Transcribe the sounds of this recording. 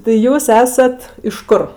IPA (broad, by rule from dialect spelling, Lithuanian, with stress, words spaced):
tɐɪ ˈjuːs ˈæːsɐt ɪʃ ˈkʊr